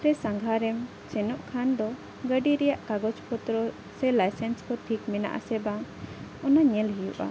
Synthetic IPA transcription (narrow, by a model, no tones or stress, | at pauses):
ɾɛsãŋɡʱaɾɛm | t͡ʃɛnɔʔkʰand̪ɔ | ɡəɖiɾɛjaʔkaɡɔt͡ʃpɔt̪ɾɔ | sɛlajsɛnskɔʈʰikmɛna̰ʔa̰sɛbaŋɔnaɲɛlɦijṵʔa̰